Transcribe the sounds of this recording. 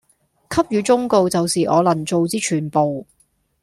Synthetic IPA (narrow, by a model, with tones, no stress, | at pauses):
kʰɐ˥p̚jyː˨˧t͡sʊ˥ŋko˨wt͡sɐ˨wsiː˨ʔɔː˨˧lɐ˨˩nt͡so˨˧wt͡siː˥t͡ʃʰyː˨˩npo˨w